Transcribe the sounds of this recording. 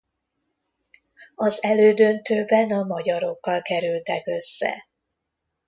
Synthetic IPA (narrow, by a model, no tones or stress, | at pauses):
ɒzɛløːd̪ø̞nt̪øːbɛnɒmɒɟɒɾo̞kːɒlkɛɾylt̪ɛkø̞sːɛ̰